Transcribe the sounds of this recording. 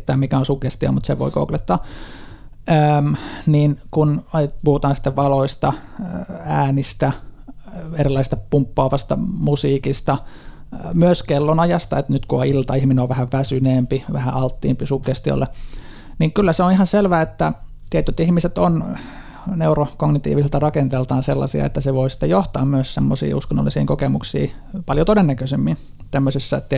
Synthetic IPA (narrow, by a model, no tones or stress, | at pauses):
t̪ːæːmmikæonsukest̪io̰mut̪sḛʋo̰iko̰klet̪ːɑː | əmniːnkunɑpuhut̪ɑːnsi̥t̪ːeʋʋɑloist̪ɑ | æːnist̪æ | erilːɑisest̪ɑ̥pumpːoɑːʋɑst̪ɑ̰musiːkist̪ɑ | myøskelːonɑjɑst̪ɑet̪nyt̪kuoilt̪ɑihmineoʋʋæhæʋʋæsyneːmpiʋæhæʔɑlt̪ːiːmpisukːest̪io̰lːe | niːŋkylːæseonihɑnselʋæːet̪ːæ | t̪iæt̪ːyt̪ihmiset̪on | neurokoɡnit̪ḭːʋiselt̪ɑrɑkent̪elt̪ɑːnselːɑ̰siɑ̰ḛt̪ːæseʋoisi̥t̪ːejoht̪ɑːmmyøssemːosḭːuskonːo̰lːˑisḭːŋkokemuksḭːpɑljot̪odenːækøsemːin | t̪æmːøsisːæet̪ːæ